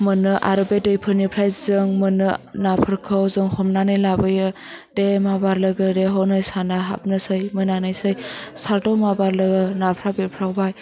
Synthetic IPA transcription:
mɯnɯʔa̰ɾɯbedɯjpʰɯɾnipʰɾajzɯŋmɯnɯnapʰɯɾkʰɯwzɯŋhɔmnanɯjlabɯjɯ | demabaɾlɯɡɯɾeɦɔnɯjsanaɦa̰p̚nɯsɯjmɯnanɯjsɯjsaɾdɔmabaɾlɯɡɯnapʰɾabepʰɾawbaj

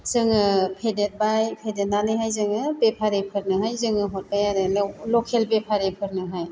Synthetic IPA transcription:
zɯŋɯpʰedet̚bajpʰedet̚nanɯjɦajzɯŋɯpepʰaɾepʰɯɾnɯɦajzɯŋɯɦɔt̚bajaɾɯlɔkʰelpepʰaɾepʰɯɾnɯɦaj

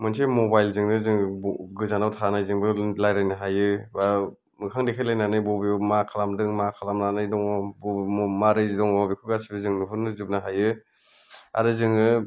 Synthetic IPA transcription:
mɯnsʰemɔbajlzɯŋnɯzɯŋɡɯzanawtʰanajzɯŋbɯlajɾajnɯɦajɯba | mɯkʰaŋdekʰajlajnanɯjbɔbimakʰalamdɯŋmakʰalamnanɯjdɔŋbɔmaɾɯjdɔŋɔbikʰɯɡasibɯzɯŋnɯɦʰunɯzɯp̚naɦajɯ | a̰ɾɯzɯŋɯ

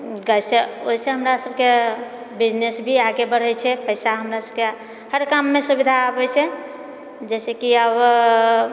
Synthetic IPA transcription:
ɡəjseoɦiseɦəmɾasəb̚ke | bid͡ʒnesbʱiaɡebəɽ̤ət͡ʃʰɛpəɪsaɦəmɾasəb̚ke | həɾkamːesubid̪ʱaəbɛt͡ʃʰɛ | d͡ʒɛsekiəb

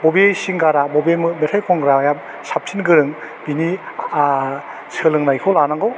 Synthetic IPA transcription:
bɔbisiŋɡaɾabɔbimɯmetʰajkʰɔŋɡɾajam | sap̚sʰinɡɯɾɯŋ | bini | sʰɯlɯŋnajkʰɔlanaŋɡɯw

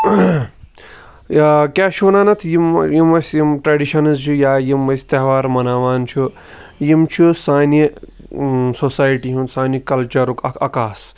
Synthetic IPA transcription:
kʲaːʃuːnaːnɐt̪ʰjimjimɐsʲjimʈɾaɖiʃɐnɐzt͡ʃʰujaːjimɐsʲt̪eɦʋaːɾmɐnaːʋaːnt͡ʃʰu | jimt͡ʃʰusaːni | sosaːjʈiɦũnsaːnikɐlt͡ʃɐɾukɐkaːs

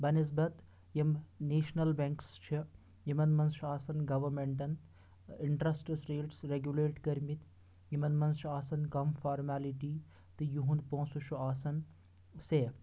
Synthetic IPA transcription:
bɐnis̬bɐt̪ | jɐmneːʃnɐlbẽŋkst͡ʃʰi | jimɐnmɐnst͡ʃʰuaːsɐnɡɐʋɐɾmeɳʈɐn | ɪɳʈɾɐsʈesɾeːlʈsɾeɡjuleːʈkɐɾmit̪ | jimɐnmɐnst͡ʃʰuaːsɐnkɐmfaːɾmaːliʈiː | t̪ɨjuɦunpõːsuʃʰuaːsɐn | seː

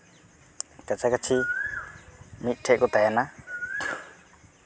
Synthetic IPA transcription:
kat͡sakat͡ʃʰi | mit̪̚ˀʈʰɛʔkɔt̪ajana

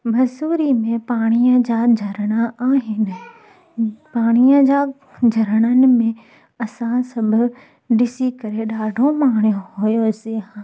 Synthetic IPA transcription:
mɐsuːɾimẽpaːɽ̃ijə̃d͡ʑad͡ʑʱɐɾəɽ̃aaːɦɪnɪ̆ | paːɽ̃ijə̃d͡ʑa | d͡ʑʱɐɾəɽ̃ənɪ̆mẽ | ɐsãsɐbʱʊ̆ | ɗɪsikɐɾeɗaːɖʱomaːɳ̃jõɦojoseɦː

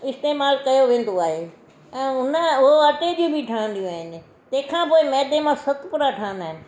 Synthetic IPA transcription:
ɪst̪eːmaːlkɐjoʋẽːn̆d̪oaːɦe | ɛ̃ːʊnəʊɦoəʈed͡ʑũbʱiʈʰaːə̃nd̪ijũaːɦɪnɪ̆ | t̪ɐ̃ɦɪ̃kʰãːpoːɪmɛːd̪emãsɐt̪ʰpʊɾaʈʰaːɦə̃nd̪aːɦɪnɪ̆

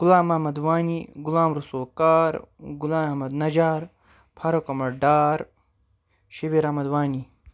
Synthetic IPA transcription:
ɡulaːmɐhmɐd̪waːniɡulaːmɾusulkaːɾɡulaːmɐɦmɐd̪nɐd͡ʒaːɾ | pʰaɾokɐmɐɽɖaːɾ | ʃibiɾɐmɐd̪waːni

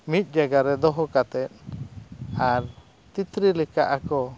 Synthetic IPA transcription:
mit̪̚ˀd͡ʒaɡaɾɛd̪ɔɦɔkat̪ɛt̪̚ | aɾ | t̪it̪ɾilɛka̰ʔakɔ

